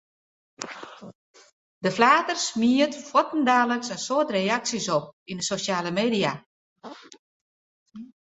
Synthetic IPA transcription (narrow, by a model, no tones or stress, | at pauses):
dəflaːtərsmiətfwɔtn̩daːləksənsoətrejaksisɔp̚indəsoʃaːləmeːdia